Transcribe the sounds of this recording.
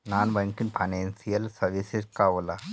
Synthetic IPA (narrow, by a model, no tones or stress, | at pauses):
nanbaŋkinpʰanensijəlsəɾʋiseskaʋla